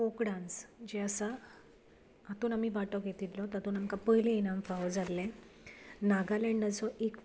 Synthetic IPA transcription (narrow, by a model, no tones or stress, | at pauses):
okɽãnt͡sd͡ʑeəsa | at̪uːnam̤ibaʈɔɡʱet̪itlɔt̪at̪uːnamkapəɦilẽenãmfaʋd͡zalːẽ | naɡalẽɳɖət͡sɔʔek